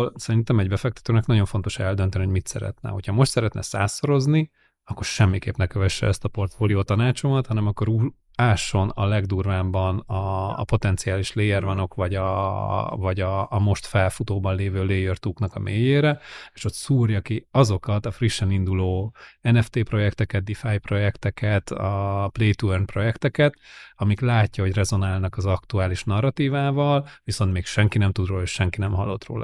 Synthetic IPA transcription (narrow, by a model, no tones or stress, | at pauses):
olsɛɾint̪ɛmɛɟbɛfɛkt̪ɛ̥t̪øːnɛknɒɟo̞ɱfo̞n̪t̪o̞ʃɛld̪ø̞nt̪ɛniɦoɟmit̪sɛ̰ɾɛ̰t̪nɛ̰ɦo̞̰cʰhɒmo̞ʃt̪sɛɾɛt̪nʔɛ̰sa̰ːso̞ɾo̞zni | ɒkːo̞rʃɛmːikḛːpnɛkɛvɛʃːɛ̰ɛst̪ɒpo̞rt̪foːlijoːt̪ɒnaːt͡ʃo̞mɒt̪hɒnɛmɒkːo̞ɾuː | aːʃːo̞nɒ̰lɛɡd̪urvaːmbɒnɒ̰ːpo̞t̪ɛnt̪sijaːliʃleːjɛrvɒno̞kʋɒɟɒ | vɒɟɒːmo̞ʃt̪fɛlfut̪oːbɒnleːvøːleːjørt̪uːknɒkɒmʔeːjeːɾɛeːʃo̞t̪suːrjɒkiɒzo̞kɒt̪ɒfriʃːɛnind̪uloːɛnɛft̪eːpro̞jɛkt̪ɛkɛd̪̚d̪ifajpro̞jɛkt̪ɛkɛt̪ɒpleːt̪uɛrnpro̞jɛkt̪ɛkɛt̪ɒmiklaːcːɒɦo̞ɟrɛzo̞naːlnɒkɒzɒkt̪uaːliʃnɒrːɒt̪iːvaːvɒlʋiso̞nt̪meːkʃɛŋkinɛmt̪ud̪roːlɒeːʃɛŋkinɛmɦɒ̰lːo̞t̪ro̰ːlʔɒ̰